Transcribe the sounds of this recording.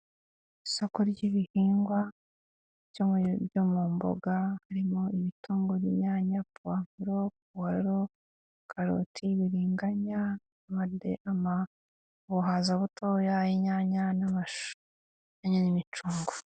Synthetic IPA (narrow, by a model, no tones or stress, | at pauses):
isokoɾɟiβihiːŋɡwa | ɟoɟomuːmbo̰ɡahaɾimoiβitʰuːŋɡoβiɲaːɲapuwaːmuɾop̚uwaɾo | kʰaɾo̰tʰiβiɾiːŋɡaɲa | βaḛʔama | βuɦaːzaβutojajiɲaɲanamaʃ | aɲanimit͡ʃuːŋɡo